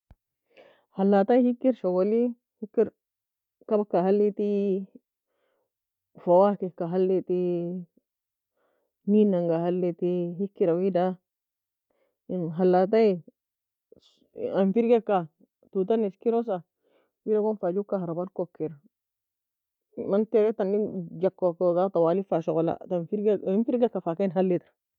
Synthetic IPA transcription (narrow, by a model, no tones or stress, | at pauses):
halːat̪ajhikːiɾʃoɡoli | hikːiɾ | kabakːahalːit̪i | fawakekːaɦalːit̪i | minaŋɡahalːit̪ihikːiɾawida | nɦalːat̬ai | amfiɾɡekːa | tut̬aniskiɾosa | widakonfad͡ʒukːahaɾabankokːiɾa | manteɾɛtanːid͡ʒakːokoɡatawalifaʃɔkola̰tanfiɾɡnfiɾɡekːafakenɦalːitaɾ